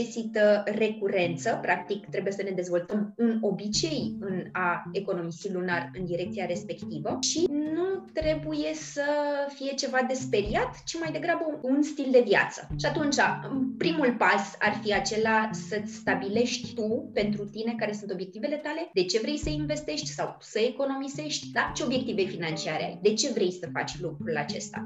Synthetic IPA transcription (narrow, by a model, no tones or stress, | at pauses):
esit̪əre̞kuɾe̞nt̪səpɾʔak̚t̪ikt̪ɾe̞buje̞səne̞d̪e̞zvo̞lt̪əmuno̞bit͡ʃe̞jɨnae̞ko̞no̞misilunarɨnd̪iɾe̞k̚tsijaɾe̞spe̞kt̪ivəʃinut̪ɾe̞buje̞səfije̞t͡ʃe̞vad̪e̞spe̞ɾiat̪t͡ʃimajd̪e̞ɡɾabəunst̪ild̪e̞vja̰t̪sə̥ʃiat̪unt͡ʃa̰pɾimulpasa̰rfiat͡ʃe̞lasət͡sʲst̪abile̞ʃt̪ʲt̪upe̞nt̪ɾut̪ine̞kaɾe̞sunt̪o̞bje̞k̚t̪ive̞le̞t̪ale̞d̪e̞t͡ʃe̞vɾe̞jsəinve̞st̪e̞ʃt̪ʲsawsəeko̞no̞mize̞ʃt̪ʲd̪at͡ʃeo̞bje̞k̚t̪ive̞finant͡ʃiaɾḛa̰jd̪e̞t͡ʃe̞vɾe̞jsəfa̰t͡ʃʲlukɾula̰t͡ʃe̞̰st̪a̰